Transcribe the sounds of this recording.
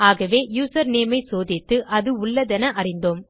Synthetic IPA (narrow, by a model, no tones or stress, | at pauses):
aːɣɐʋeːjuːsɐɾneːmɐɪsoːðɪt̪ːɯʔɐðɯʊɭːɐðɛnɐʔɐrɪnd̪oːm